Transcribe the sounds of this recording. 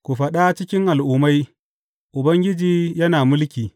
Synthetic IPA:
kʷu˨ɸɐ˨ɗa˦t͡ʃɪ˦kʲɪ˦ŋʔa˨lʔʊː˦ma˦j | ʔʊ˨bɐ˦ŋɡʲɪ˦d͡ʒiː˦jɐ˦naː˨mʊ˦lkʲiː˨

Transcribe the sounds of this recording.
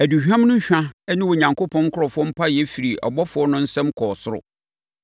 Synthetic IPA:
æ˨du˨ɕᶣã˦m˦nʊ̃˦ɕᶣã˦ɛ˦nɪ̃˦wo˨ɲã˨ŋkʰo˦pʰɔ̃˦n˦kʰʊ˦ɾɔ˨fʊ˦ɔ˦m̩˦pʰa˦jɛ˦fi˨ɾi˨ʔɔ̰˨bɔ˦fʊ˨˦ɔ˦nʊ̃˦n̩˦sɛ̃˦mkʰɔː˨sʊ˦ɾʊ̰˨

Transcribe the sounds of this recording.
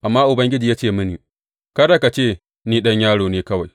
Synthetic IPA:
ʔa˨mːaː˦ʔʊ˨bɐ˦ŋɡʲɪ˦d͡ʒiː˨jaː˦t͡ʃeː˦˨mɐ˦niː˨ | kɐ˦da˨ka˨t͡ʃeː˦˨ | niː˦ɗɐ˦ɲjaː˦ɽoː˨neː˦kɐ˦wa˨j

